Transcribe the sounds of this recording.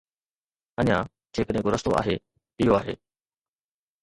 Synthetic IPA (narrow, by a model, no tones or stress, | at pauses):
əɲãː | tʰeːkəɗẽːkʊɾəst̪oʔa̰ːɦeː | ɪɦjoaːɦḛː